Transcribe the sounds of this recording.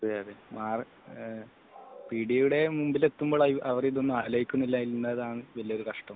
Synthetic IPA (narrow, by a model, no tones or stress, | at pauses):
eaðemaːr | piɽijuɽe̞mumbilet̪ːumboɭaiʔɐʋɐriðonːuɐɦɐlɐjikʲːunːilːaːjilnːɐðaːɳɨʋɐlijɐo̞ɾukɐʂʈɐm